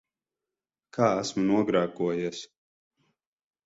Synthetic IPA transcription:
kʰaːæsmunuɔɡɾaːkuɔjis

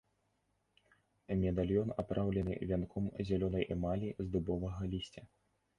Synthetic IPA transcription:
mʲɛd̪alʲjɔnapɾʔawlʲɛnɨ̰vʲankʰɔmzʲalʲɔnɐjmalʲizd̪ubɔvɐɣɐlʲisʲt͡sʲɐ

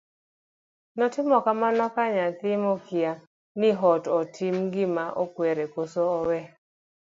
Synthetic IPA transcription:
nɔtɪmɔkamanɔkaɲat̪ɪmɔkia | nɪɦɔtɔtʰɪmɡɪmaʔɔkwɛɾɛkosoːwɛ

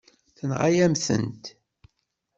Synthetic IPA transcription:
θənʁajæmθə̰nt̪

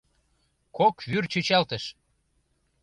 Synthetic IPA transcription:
kokβyrt͡ɕøt͡ɕɑlt̪ə̆ʃ

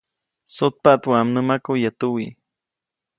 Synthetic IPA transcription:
sot̪̚paʔt̪wamnəmakujat̪uwi

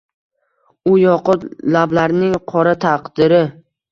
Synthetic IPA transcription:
ʊjɒqʊt̪lablaɾnɪŋqʰɒɾat̪ʰaqd̪ɪɾɪ

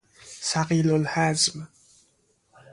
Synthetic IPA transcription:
saqiːlʊlħazm

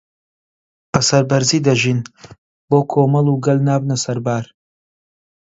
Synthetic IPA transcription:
bɐsɐɾbɐɾziːd̪ɐʒiːn | boːkʰoːmɐlˠuɡɐlnaːbnɐsɐɾbaːɾ

